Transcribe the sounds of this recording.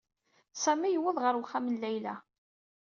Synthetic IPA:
sæmijəwəðˤʁəɾwχːæmənlæjlæ

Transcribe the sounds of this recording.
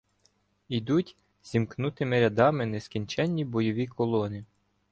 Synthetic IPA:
id̪utʲ | z̥ʲimknut̪ɪmɪɾʲɐd̪ɑmɪneskʲinʲt͡ʃɛnʲːibɔjɔʋʲikɔlˠɔnɪ

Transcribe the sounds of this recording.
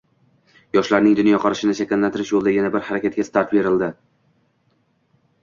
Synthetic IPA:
jɒʃlaɾnɪŋd̪ʊnjɒqʰɒɾɪʃɪnɪʃakʲalːant̪ʰɪɾɪʃjolˠd̪aɡʲɪnabɪɾhaɾakʲat̪̚kʲast̪ʰaɾt̪be̞ɾɪld̪ɪ

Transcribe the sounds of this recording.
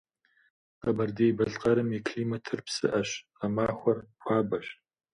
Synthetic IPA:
qɐbɐrdeːjbɐɮqɐɾɨmikʰliːmɐtʰɨrpsɨ̰ʔɐɕ | ɐmaːxʷɔrpʷʰɑːbɐɕ

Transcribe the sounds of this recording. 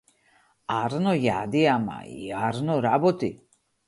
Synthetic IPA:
aɾnojad̪ijama̰ḭaɾnoɾabot̪i

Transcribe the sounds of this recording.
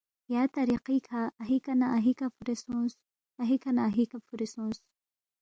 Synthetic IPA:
jaːt̪ɐɾiqikʰaːɦikɐnaʔɐɦikɐfuɾesũːs | ɐɦikʰɐnaːɦikafuɾesõːs

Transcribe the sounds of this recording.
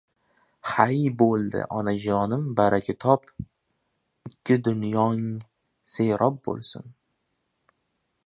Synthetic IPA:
hajbolˠd̪ɪ̰ʔɒnad͡ʒɒnɪmbaɾakʲʰɪt̪ʰɒp | ɪkʲʰːɪd̪ʊnjɒŋ | seɾʔɒp̚bo̰lˠsʊ̰n

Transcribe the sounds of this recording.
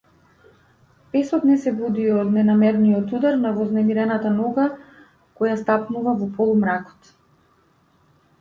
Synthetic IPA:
pɛsɔt̪nɛsɛbud̪iɔd̪nɛnamɛɾnijɔt̪ud̪aɾnavɔznɛmiɾɛnat̪anɔɡa | kɔjast̪apnuvavɔpɔlˠumɾakɔ̥t̪

